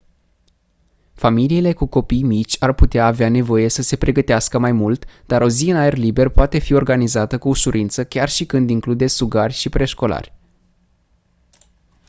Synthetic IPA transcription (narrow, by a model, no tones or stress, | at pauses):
familiːle̞kuko̞pijmit͡ʃʲarput̪eaːveane̞vo̞je̞səse̞pɾʔe̞ɡət̪easkəmajmult̪d̪aɾo̞ziɨnae̞rlibe̞rpoat̪e̞fio̞rɡanizat̪əkuːʃuɾʔint̪səkʲarʃikɨnd̪iŋklud̪e̞suɡarʲʃipɾe̞ʃko̞la̰rʲ